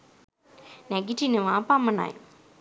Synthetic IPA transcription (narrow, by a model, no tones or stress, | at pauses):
nɛɡiʈineʋaːpamɐna̰j